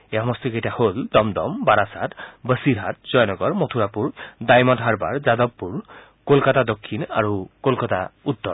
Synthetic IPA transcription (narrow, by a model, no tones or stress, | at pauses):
eɦɔmɔst̪ikejtaholdɔmdɔmbaɾasatbəsiɹɦat̚z̥ɔjnɔɡɔɹmot̪ʰuɹapuɹdajmɔdʱɦaɹba̰ɹzadɔbːuɹ | kolkatadɔkʰːina̰ɹukolkata̰ut̪ːɔ